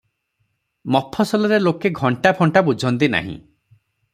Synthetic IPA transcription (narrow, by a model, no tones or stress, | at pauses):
mɔpʰːɔsɔlɔɾelokeɡʱɔɳʈapʰɔɳʈabud͡ʒʱɔnt̪̬ina̰ɦḭ̃